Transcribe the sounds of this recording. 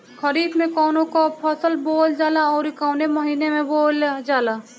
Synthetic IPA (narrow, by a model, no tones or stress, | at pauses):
kʰəɾiːd̪mẽkɔːnõkopʰəsəlboːld͡ʒaːlaɔːɾɪkaːʊnemɐɦiːnemẽboːld͡ʒaːlaː